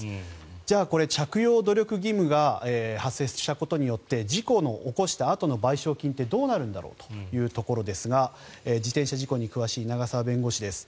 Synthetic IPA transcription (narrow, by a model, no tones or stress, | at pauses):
d͡ʑaːko̞ɾe̞t͡ɕakɯ̟jo̞ːd̪o̞ɾʲo̞kɯ̟ɡʲimɯ̟ɡaeːhasːe̞ɕt̪ako̞t̪o̞ɲ̟ijo̞t̪ːe̞d͡ʑiko̞no̞ʔːko̞ɕi̥t̪aːt̪o̞no̞baiɕo̞ːkʲĩnt̪e̞d̪o̞ːnaɾɯ̟̃nd̪a̰ɾo̞̰ːt̪o̥jɯ̟ːt̪o̞ko̞ɾo̞d̪e̞sɨɡa | eːd͡ʑit̪ẽ̞ɰ̃ɕaʑiko̞ɲ̟ikɯ̟βaɕiːnaɡasaβabẽ̞ŋɡo̞ɕid̪e̞sɨ̥